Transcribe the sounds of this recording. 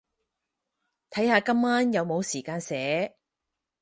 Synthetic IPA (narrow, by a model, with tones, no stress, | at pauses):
t̪ʰɐ˨˥jhaː˨˧kɐ˥mːaː˥njɐ˨˧wmo˨˧wsiː˨˩kaː˧nsɛː˨˥